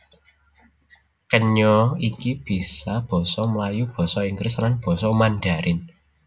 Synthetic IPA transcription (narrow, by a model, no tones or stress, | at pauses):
kəɲɔikib̥i̤sab̥ɔ̤sɔməlajub̥ɔ̤sɔiŋɡɾɪslanb̥ɔ̤sɔmanɖ̪a̤ɾʔɪn